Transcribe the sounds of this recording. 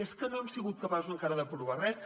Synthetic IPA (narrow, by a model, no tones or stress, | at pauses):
est̪kənoɛmsiɣut̪̚kəpasuzəŋkaɾəðəpɾuβarɛs